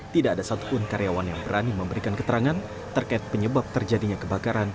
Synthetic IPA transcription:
t̪idaːdasat̪u̥pʊnkaɾejawanjaŋbəɾaniməmbəɾikankət̪əɾaŋan | t̪ərkaɪt̪̚pəɲəbap̚t̪ərd͡ʒadiɲakəbakaɾan

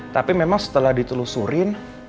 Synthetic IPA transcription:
t̪apimemaŋsə̥t̪əlahdit̪ulusuɾɪn

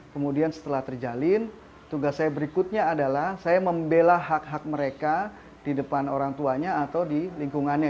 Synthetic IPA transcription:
kəmudiansə̥t̪əlaht̪ərd͡ʒalɪn | t̪uŋɡasːajabəɾikʊt̪̚ɲaːdalahsajaməmbelaɦak̚ɦak̚məɾeka | d̥idəpanoɾaŋt̪uaɲaːt̪awdiliŋkuŋanɲa

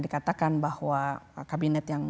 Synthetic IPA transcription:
dikat̪akanbahwakabinɛt̪jaŋ

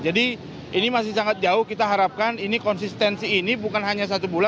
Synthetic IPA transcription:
d͡ʒadi | inimas̬ɪhsaŋat̪̚d͡ʒaʊhkit̪aɦaɾap̚kaninikɔnsist̪ɛnsiːnibukanɦaɲas̬at̪ubula

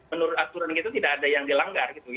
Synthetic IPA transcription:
ənuɾʊt̪at̪uɾanɡit̪ut̪idakadajaŋdilaŋɡarɡit̪u

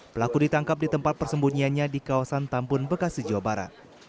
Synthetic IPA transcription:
pəlakudit̪aŋkap̚dit̪əmpat̪̚pərsəmbuɲianɲadikawasant̪ampʊnbəkasid͡ʒawabaɾa̰t̪̚

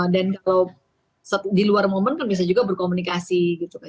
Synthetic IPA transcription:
dankalaw | sət̪diluarmomənkanbias̬ad͡ʒuɡabərkomunikasiɡit̪uka

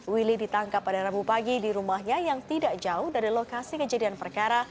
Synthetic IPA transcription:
wilidit̪aŋkapːadaɾabupaɡidiɾumahɲajaŋt̪idaʔd͡ʒaʊhdaɾilokasikəd͡ʒadianpərkaɾa

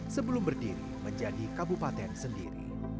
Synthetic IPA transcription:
səbəlʊmbərdiɾḭməɲd͡ʒadikabupat̪ɛnsəndiɾḭ

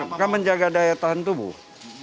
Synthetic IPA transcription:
kaməɲd͡ʒaɡadajat̪aɦʊnt̪ubṵh

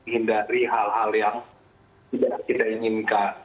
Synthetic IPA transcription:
ɦindaɾiɦalɦaljaŋ | t̪idaʔkit̪aiŋinkan

